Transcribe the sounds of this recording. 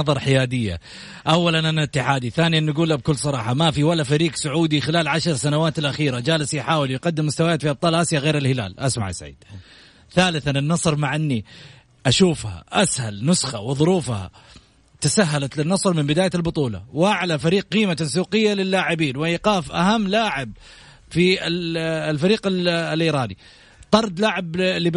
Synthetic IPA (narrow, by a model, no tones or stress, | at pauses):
ɑðˤɑɾˤħɪjaːd̪ɪjːa̰ | ʔawːalanʔanaɪt̪ːɪħaːd̪iθaːnijanːaɡuːlab̚kʊlːsˤɑɾˤɑːħɑmafiwalːafaɾiːqsʊʕuːd̪ixɪlaːlʕaʃɾˤsanawaːt̪alʔaxiːɾad͡ʒaːlɪsiħaːwɪljɪqɑd̪ːɪmːʊst̪awajaːt̪fiʔɑb̚t̪ˤɑːlʔasjaɣeːɾɪlhɪla̰ːlʔasma̰ʕ̰sa̰ʕḭːd̪̥̚ | θaːlɪθanɪnːɑsˤɾmaʕʔɪnːi | ʔaʃuːfha̰ʔashalnʊsxawɪðˤʊɾuːfha̰ | t̪asaɦːalat̪lɪnːɑsˤɾmɪmbɪd̪aːjalbʊt̪ˤuːlɑ̰wʔaʕlafaɾiːqqiːmas̬uːqɪjːalɪlːaːʕɪbiːnwɪʔqaːfʔa̰hamːlaːʕɪb | fiɪlfaɾiːqɪllʔiːɾˤɑːni | t̪ˤɑɾˤd̪laʕɪbli